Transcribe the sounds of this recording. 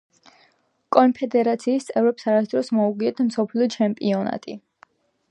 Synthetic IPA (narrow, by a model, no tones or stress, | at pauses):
kʼɔnpʰɛd̪ɛɾat̪sʰiːst̪sʼɛvɾɛpsaɾasd̪ɾɔsmɔuɡiɛt̪ʰmsɔpʰliɔt͡ʃʰɛmpʼiɔna̰t̪ʼḭ